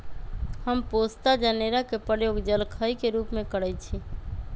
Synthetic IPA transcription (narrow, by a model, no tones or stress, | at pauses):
həmpost̪ad͡ʒaneɾakepɾəjoɡd͡ʒəlkʰəjkeɾupmekəɽəjt͡ʃʰi